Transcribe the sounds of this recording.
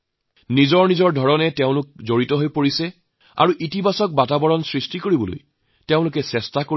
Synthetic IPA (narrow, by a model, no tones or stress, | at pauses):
nizɔɹnizɔɹdʱɔɹɔnɛteʊ̃lʊk̚zoɹitɔɦojpoɹisɛ | a̰ɹuʔitibasɔk̚batabɔɹɔnsɹistikoɹibɔlo̰j | teʊ̃lʊkɛsɛstako